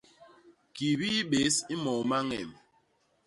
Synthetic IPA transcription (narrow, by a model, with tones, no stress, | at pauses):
ki˨bi˦ɓe˨˦si˦mɔ˨ma˦ŋɛ̰˨m